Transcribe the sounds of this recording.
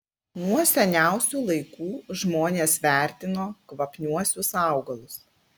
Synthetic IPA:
nuɔsʲɛnʲæˑʊsʲuːlˠɐɪkuːʒmoːnʲeːsʋʲæˑɾʲt̪ʲɪnoːkʋɐpʲnʲuɔsʲʊsɑˑʊɡɐlˠʊs

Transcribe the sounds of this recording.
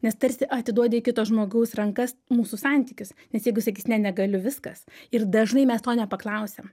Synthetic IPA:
nʲɛst̪ɐɾʲsʲɪʔɐt̪ʲɪd̪uɔdʲɪɪkʲɪt̪oʒmoːɡɐʊsrɐŋkɐsmuːsusɑnʲt̪ʲiːkʲʊsnʲɛsjɛɪɡʊsɐkʲiːsnʲɛnʲɛɡɐlʲʊʋʲɪskɐ̰sɪrd̪ɐʒnɐɪmʲɛst̪oːnʲɛpɐklˠɐʊsʲɛm

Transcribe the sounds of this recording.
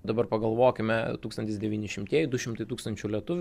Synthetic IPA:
d̪ɐbɐɾpɐɡɐlˠʋoːkʲɪmʲɛt̪uːkst̪ɐnʲt̪ʲɪsd̪ʲɛʋʲiːnʲɪʃʲɪmʲt̪ʲiɛjɪd̪ʊʃʲɪmt̪ɐɪt̪uːkst̪ɐnʲt͡ʃʲulʲiɛt̪ʊʋʲʊ

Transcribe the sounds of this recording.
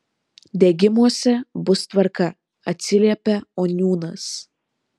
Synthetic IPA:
d̪ʲeɡʲɪmuɔsʲɛbʊst̪ʋɐɾkɐ | ɐt̪ʲsʲɪlʲiɛpʲɛoːnʲuːnɐs

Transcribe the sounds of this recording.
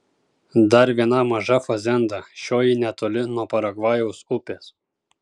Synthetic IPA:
d̪ɐɾʋʲiɛnɐmɐʒɐfɐzʲɛnd̪ɐʃʲoːjinʲɛt̪oːlʲɪnuɔpɐɾɐɡʋɑːjɛʊsʊpʲeːs

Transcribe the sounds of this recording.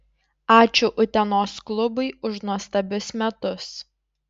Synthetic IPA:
ɑːt͡ʃʲʊʔʊt̪ʲɛnoːsklˠʊbʊɪʊʃnuɔst̪ɐbʲʊsmʲɛt̪ʊs

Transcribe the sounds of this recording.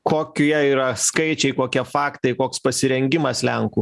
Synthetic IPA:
koːkʲiɛiːɾɐskɐɪt͡ʃʲɛɪkoːkʲiɛfɑːkt̪ɐɪkoːkspɐsʲɪɾʲɛŋʲɡʲɪmɐslʲɛŋkuː

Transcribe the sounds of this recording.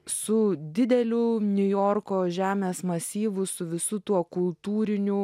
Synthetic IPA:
sʊd̪ʲɪd̪ʲɛlʲʊnʲʊjoːrkoːʒʲæːmʲeːsmɐsʲiːʋʊsʊʋʲɪsʊt̪uɔkʊlˠt̪uːɾʲɪnʲʊ

